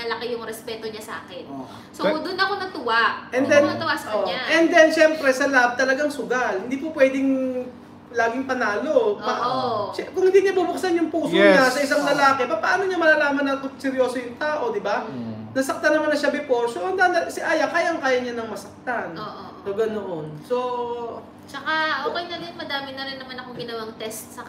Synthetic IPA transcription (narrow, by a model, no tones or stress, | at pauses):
nɐlɐkɪjʊŋɾɛspɛːt̪oɲasa̰ːkɛno | sod̪ʊnɐkonɐt̪ʊwaʔʔɛndd̪ɛnɐt̪ʊwasɐʔɛnd̪ɛnʃɛmpɾɛsɐlab̚t̪ɐlɐɡaŋsʊɡalhɪnd̪iːpʊpwɛːd̪ɪŋ | laːɡɪŋpɐnaːlo̞pɐ | kʊŋhɪnd̪iɲabubʊk̚sanjʊŋpuːsoɲasɐʔɪs̬aŋlɐlaːkɛpɐpɐʔaːnoɲamɐlalaːmɐnɐkosɛɾjo̞ːsojʊŋt̪aːʔo̞d̪ɪba | nɐsɐk̚t̪anːɐmanːɐʃɐbɪposoɐnd̪ansɪʔaːjɐkaːjɐŋkaːjɐɲanɐŋmɐsɐk̚t̪anoʔosoɡɐnoʔonso | t͡ʃɐkaʔoːkɛjnɐdɪnmɐd̪aːmɪnɐɾɪnːɐmanɐkoŋɡɪnɐwaŋt̪ɛst̪sɐ